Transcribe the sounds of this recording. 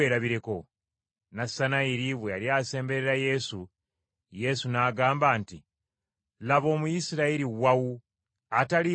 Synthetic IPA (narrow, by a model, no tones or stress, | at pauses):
eːɾaβiɾe̞ko̞ | nasanaiɾiβwealjaːse̞ːmbe̞ɾeɾaje̞su | je̞sunaːɡaːmbaːnti | laβo̞ːmujisiɾaiɾiwawu | atali